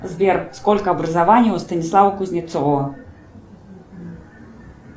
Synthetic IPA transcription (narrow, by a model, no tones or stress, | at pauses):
zʲbʲɛrskɔlʲkɐːbɾɐzavanʲɐwst̪ɐnʲislˠavɐkuzʲnʲit̪sɔvɐ